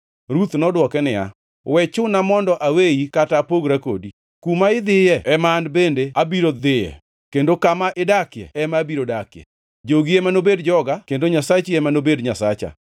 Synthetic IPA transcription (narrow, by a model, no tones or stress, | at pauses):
ɾut̪nɔdwɔkɛnɪja̰ | wɛt͡ʃʊnamɔndɔʔawejikatapoɡɾako̰di | kumaɪd̪ɪjɛɛmandbendeabiɾod̪ɪjɛ̰ | kendokamaʔɪdakjɛ̰ɛmabiɾodakjɛ̰ | d͡ʒoɡiemanobedd͡ʒɔɡakendoɲasat͡ʃiɛmanobedɲasat͡ʃa̰